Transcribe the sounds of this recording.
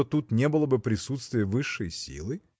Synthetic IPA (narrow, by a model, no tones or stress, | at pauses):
ot̪ut̪nʲebɨlˠəbɨpɾʲɪsut̪st̪vʲɪjəvɨʂːə̰jsʲḭlˠɨ